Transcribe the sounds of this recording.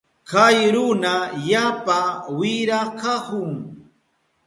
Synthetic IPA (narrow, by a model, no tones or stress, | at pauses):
kajɾʊnajapawɪɾakakʊŋ